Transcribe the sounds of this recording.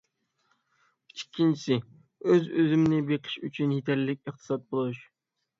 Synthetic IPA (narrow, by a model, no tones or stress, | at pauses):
t͡ʃʰi̥kʲʰːint͡ʃʰi̥sɪ | øzøzɪmnɪbeqʰɨ̥ʃyt͡ʃʰynjet̪ʰæɾlɪk̚ʲɨχt̪ʰɨ̥sɑt̪̚bolˠuʃ